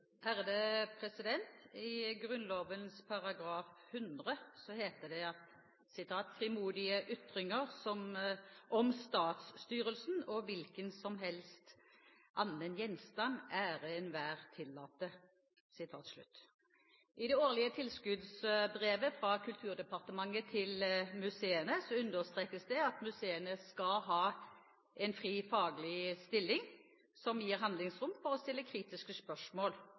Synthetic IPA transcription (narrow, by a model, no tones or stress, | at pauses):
ʔæʁd̪ɛpʰʁɛsɪd̪ɛnt̪ɪɡʁʉnloːʋənspʰɑʁɑɡɾɑːfhʉnd̪ʁəsɔheːt̪əd̪ɛɑt̪ | sɪt̪ʰɑːt̪fʁɪmuːd̪ɪəʔʏt̪ʁɪŋəʁsɔmʔɔmst̪ɑːt̪st̪yːʁəlsnɔʋɪlkənsɔmɦɛlst̪ | ʔɑnːənjɛnst̪ɑnæʁɛnʋæːʁt̪ʰɪlːɑːt̪ə | sɪt̪ʰɑːt̪slʉ̰t̪ː | ʔɪd̪ɛoːʁlɪət̪ʰɪlskʉd̪sbʁeːʋəfʁɑkʰʉlt̪ʰʉːʁd̪ɛpɑʁt̪əmɑŋːət̪ʰɪlmʉseːənəsɔʉnd̪əʁst̪ʁeːkəsd̪ɛɑt̪mʉseːənəskɑɦɑː | ʔɛnfʁiːfɑːɡəlɪst̪ɪlːɪŋ | sɔmjiːʁɦɑnd̪lɪŋsʁʊmfɔʁɔst̪ɪlːəkʰɾiːt̪ɪskəspœʂmoːl